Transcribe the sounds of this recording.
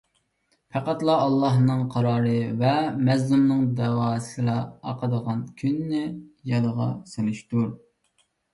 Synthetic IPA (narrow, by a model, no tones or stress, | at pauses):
pʰæqæt̪lˠɑɑlˠːɑɦnɨŋqʰɑɾɑːɾɨvɛmɛzlumnɨŋd̪ɛwɑːsɨlˠɑɑqəd̪əʁɑnkʲʰynːɪjɑd̪əʁɑselɪʃt̪uɾ